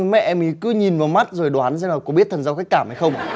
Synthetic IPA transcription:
mɛ̰˧˥ʔɛ˧mʔi˨˦kɨ˨˦ɲi˨˩nvaː˨˩wma˦˥t̚zo˨˩jɗwaː˨˦nzaː˧ŋlaː˨˩kɔ˨˦ɓi˦˥t̪ʰə˨˩nzaː˧ka˦˥jk̚kaː˧˩mha˧jxə˧wŋ͡m

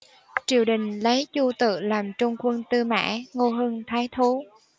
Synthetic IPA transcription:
t͡ɕi˧˩əwɗï˨˩ŋ̟lə˨˦jzu˧t̪ɨ̰˧˨laː˨˩mt͡ɕʊ˧wŋ͡mkwə˧nt̪ɨ˧ma̰ː˧˥ŋo˧ɦə˧nt̪ʰaː˨˦jt̪ʰu˨˦

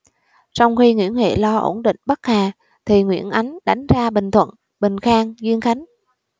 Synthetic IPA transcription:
sɔ˧wŋ͡mxi˧ŋwḭ˧˥ənhḛ˧˨lɔ˧ʔo̰˧˩nɗḭ˧˨ŋ̟ɓə˦˥k̚haː˨˩ | t̪ʰi˨˩ŋwḭ˧˥ənʔa˨˦jŋ̟ɗa˨˦jŋ̟zaː˧ɓï˨˩ŋ̟t̪ʰwə̰˧˨n | ɓï˨˩ŋ̟xaː˧ŋzwi˧ənxa˨˦jŋ̟

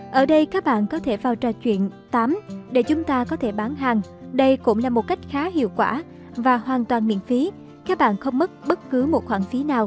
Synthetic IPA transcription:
ʔəː˧˩ɗə˧jkaː˦˥k̚ɓa̰ː˧˨nkɔ˨˦t̪ʰe˧˩vaː˨˩wt͡ɕɔ˨˩t͡ɕwḭ˧˨ənt̪aː˨˦mɗe˧˩t͡ɕʊ˨˦ŋ͡mt̪aː˧kɔ˨˦t̪ʰe˧˩ɓaː˨˦nɦaː˨˩ŋɗə˧jkʊ̰˧˥ŋ͡mlaː˨˩mo˨˩t̚ka˦˥jk̟̚xaː˨˦hḭ˧˨əwkwaː˧˩ | vaː˨˩hwaː˨˩nt̪waː˨˩nmḭ˧˨ənfi˨˦ | kaː˦˥k̚ɓa̰ː˧˨nxə˧wŋ͡mmə˦˥t̚ɓə˦˥t̚kɨ˨˦mo˨˩t̚xwaː˧˩ŋfi˨˦naː˨˩w

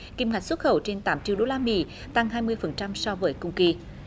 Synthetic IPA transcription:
ki˧mŋa˨˩jk̟swt̚xə˧˩wt͡ɕe˧nt̪aː˨˦mt͡ɕḭ˧˨wɗo˧laː˧mḭ˧˥ | t̪a˧ŋɦaː˧jmɨ˧əjfə˨˩nt͡ɕa˧msɔ˧wvəː˨˦jkʊ˧ŋ͡mki˧

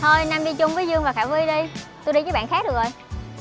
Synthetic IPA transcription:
to˧jna˧mɗi˧t͡ɕʊ˧wŋ͡mvəː˨˦jzɨ˧əŋvaː˨˩xaː˧˩vi˧jɗi˧jt̪o˧jɗi˧t͡ɕəː˨˦jɓa̰ː˧˨nxaː˦˥ɗɨ˨˩ək̚ʔo˧j

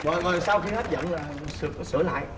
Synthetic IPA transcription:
vɔ̰˧˨˩jvɔː˨˩saː˧wxi˧haː˦˥t̚zə̰˧˨nlaː˨˩ | sɨ˨˩˨sɨ˧˩əla̰ː˧˨j

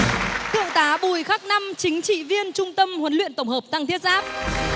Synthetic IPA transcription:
t̪ʰɨ̰˧˨əŋt̪aː˨˦ɓu˨˩jxa˦˥k̚na˧mt͡ɕï˨˦ŋ̟t͡ɕḭ˧˨vi˧ənt͡ɕʊ˧ŋ͡mt̪ə˧mhwə˨˦nlḭ˧˨ənt̪ə˧˩wŋ͡mhəː˨˩p̚t̪a˧ŋt̪ʰi˦˥ət̚zaː˦˥p̚

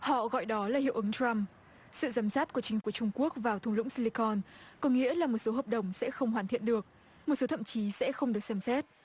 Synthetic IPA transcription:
hɔ̰˧˨ɣɔ̰˧˨jɗɔ˨˦laː˨˩ɦḭ˧˨ʔɨ˨˦ŋtɹa˧m | sɨ̰˧˨zaː˨˦msaː˦˥t̚ku˧˩ət͡ɕï˨˦ŋ̟ku˧˩ət͡ɕʊ˧ŋ͡mku˦˥ək̚vaː˨˩wt̪ʰlʊ̰˧˥ŋ͡msi˧li˧kɔ˧nkɔ˨˦ŋḭ˧˥əlaː˨˩mo˨˩t̚so˨˦ɦəː˨˩p̚ɗə˨˩wŋ͡msɛ̰˧˥xə˧wŋ͡mɦwaː˨˩nt̪ʰḭ˧˨ənɗɨ˨˩ək̚ | m˨˩t̚so˨˦t̪ʰə̰˧˨mt͡ɕi˨˦sɛ̰˧˥xə˧wŋ͡mɗɨ˨˩ək̚sɛ˧msɛ˦˥t̚

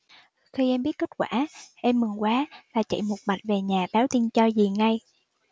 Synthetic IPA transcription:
xi˧ʔɛ˧mɓi˦˥ət̚ke˦˥t̚kwaː˧˩ʔɛ˧mːɨ˨˩ŋkwaː˨˦laː˨˩t͡ɕə̰˧˨jmo˨˩t̚ma̰˧˨jŋ̟ve˨˩ɲaː˨˩ɓaː˨˦wt̪i˧nt͡ɕɔ˧zi˨˩ŋa˧j

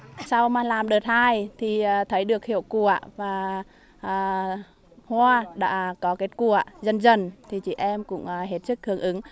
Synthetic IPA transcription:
sa˧wmaː˨˩laː˨˩mɗəː˨˩t̚haː˧˩jt̪ʰi˨˩˨t̪ʰə˨˦jɗɨ˨˩ək̚hi˧˨əwku˧˩əvaː˨˩ | ʔː | hwaː˧ɗa̰ː˧˥kɔ˨˦ke˦˥t̚ku˧˩əzə˧˩nzə˧˩nt̪ʰi˨˩t͡ɕḭ˧˨ʔɛ˧mkʊ̰˧˥ŋ͡mɦe˦˥t̚t͡ɕɨ˦˥k̚hɨ˧˩əŋʔɨ˨˦ŋ

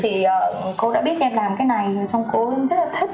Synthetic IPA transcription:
t̪ʰi˨˩ʔəː˨˩ko˧ɗa̰ː˧˥ɓi˦˥ət̚ʔɛ˧mlaː˨˩mkaː˨˦jna˨˩jəː˨˩t͡ɕɔ˧wŋ͡mko˨˦˧zə˦˥t̚laː˨˩i˦˥k̚

